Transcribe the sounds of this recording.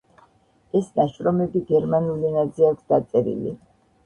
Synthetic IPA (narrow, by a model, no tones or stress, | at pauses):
ɛsnaʃɾɔmɛbiɡɛɾmanulinad̪zɛakʰʷsd̪at̪sʼɛɾḭlḭ